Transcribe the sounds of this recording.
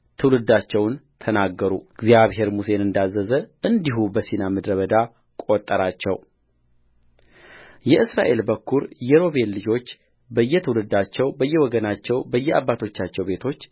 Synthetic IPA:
t̪ʰɨwlɨd̪at͡ʃːɛwnt̪ʰənaɡːəɾṵɡzijaβɦe̞ɾmuse̞nɨnd̪azːəzəʔɨnd̪iɦubəsinaməd̪ɾəβəd̪a | kʼo̞t̪ʼːəɾat͡ʃːɛ̰w | jɛʔɨsɾa̰ʔe̞lbəkʰːuɾjɛɾo̞βe̞lːɨd͡ʒo̞t͡ʃː | bəjːɛt̪ʰɨwlɨd̪at͡ʃːɛwbəjːɛwɔɡənat͡ʃːɛwbəjːɛa̰bːat̪ʰo̞t͡ʃːat͡ʃːɛwbe̞t̪ʰo̞t͡ʃː

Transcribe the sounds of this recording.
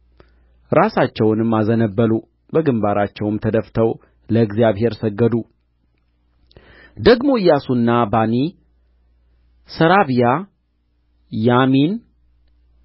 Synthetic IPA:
ɾasat͡ʃːɛwnɨmːazənəbːəlu | bəɡɨmbaɾat͡ʃːɛwɨmt̪ʰəd̪əft̪ʰəw | ləɡzijaβhe̞ɾsəɡːəd̪u | d̪əɡmo̞jasunːabani | səɾaβija | jamin

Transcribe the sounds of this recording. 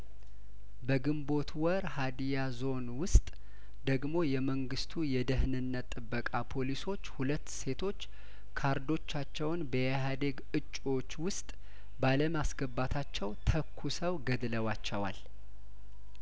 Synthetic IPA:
bəɡɨmbo̞t̪ʰwɔɾhad̪ijazo̞nwʊst̪ʼ | d̪əɡmo̞jɛməŋɡɨst̪ʰujɛd̪əhnɨnːət̪ʼːɨbːəkʼapʰo̞liso̞t͡ʃːhulət̪ːse̞t̪ʰo̞t͡ʃː | kʰaɾd̪o̞t͡ʃːat͡ʃːɛwnbəjɛɦad̪eɡɨt͡ʃʼːo̞t͡ʃːwʊst̪ʼ | baləmasɡəbːat̪ʰat͡ʃːɛwt̪ʰəkʰːusəwɡəd̪ləwat͡ʃːɛwa̰l

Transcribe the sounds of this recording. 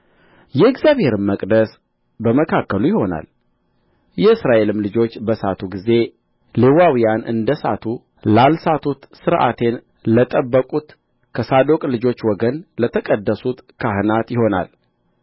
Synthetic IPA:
jɛɨɡzʲjaβhe̞ɾɨmːəkʼd̪əs | bəməkʰakːəlujɪho̞na̰l | jɛɨsɾaʔe̞lɨmlɨd͡ʒo̞t͡ʃːbəsat̪ʰuɡize̞ | lewawijanʔɨ̰nd̪əsa̰t̪ʰu | lalsat̪ʰut̪sɨɾʔa̰t̪ʰe̞n | lət̪ʼəbːəkʼut̪ | kʰəsad̪o̞kʼlɨd͡ʒo̞t͡ʃːwɔɡənlət̪ʰəkʼəd̪ːəsut̪kʰaɦɨnat̪jɪho̞na̰l

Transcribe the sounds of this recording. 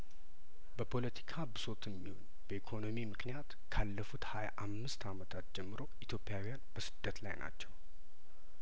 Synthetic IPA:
bəpʰo̞lət̪ʰi̥kʰabɨso̞t̪ʰɛmːiho̞̰ɲ | b̥əikʰo̞no̞mimɨknijat̪ | kʰalːəfut̪haja̰ʔamːɨst̪ʰamət̪ʰat̪d͡ʒɛmːɨɾo̞it̪ʰjopːijawijanb̥əsɨd̪ːət̪la̰jna̰t͡ʃːɛw

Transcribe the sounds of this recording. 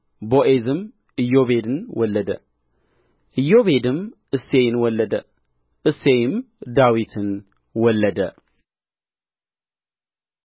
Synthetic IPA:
boʔezɨm | ɨjːo̞βe̞d̪ɨnwɔlːəd̪ə | ʔɨjːoβe̞d̪ɨm | ɨsːejɪnwɔlːəd̪ə | ʔɨsːejɪm | d̪awit̪ʰɨn | wɔlːəd̪ə

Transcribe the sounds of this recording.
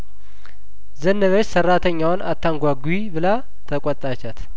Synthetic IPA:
zənːəβət͡ʃsərːat̪ʰəɲːawna̰t̪ʰːaŋɡʷaɡibɨla | t̪ʰəkʼɔt̪ʼːat͡ʃːat̪

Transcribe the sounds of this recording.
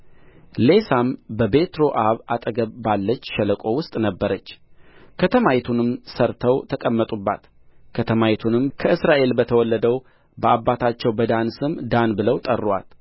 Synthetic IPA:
le̞sambəbe̞t̪ɾo̞ʔaβat̪ʼəɡəβːalːət͡ʃːʃɛləkʼo̞wʊst̪ʼnəbːəɾət͡ʃːkʰət̪ʰəmait̪ʰunɨmsəɾt̪ʰəwt̪ʰəkʼəmːət̪ʼubːa̰t̪ | kʰət̪ʰəmajit̪ʰunɨmkʰəʔɨsɾaʔe̞lbət̪ʰəwɔlːəd̪əw | bəabːat̪ʰat͡ʃːɛwbəd̪ansɨmd̪anbɨləwt̪ʼə̰rːwa̰t̪

